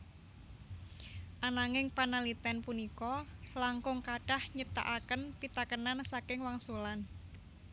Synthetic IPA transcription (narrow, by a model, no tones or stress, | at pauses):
ʔanaŋɪŋpanalit̪ɛnpunikɔlaŋkʊŋkaɖ̥ahɲəp̚t̪a̰ʔakənpit̪akənansakɪŋwaŋsulan